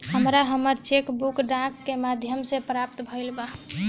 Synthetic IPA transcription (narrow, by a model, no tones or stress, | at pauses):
həmɾaɦəməɾt͡ʃekbukɖãkːemad̪ʱjəmsẽpɾap̚t̪bʱəlba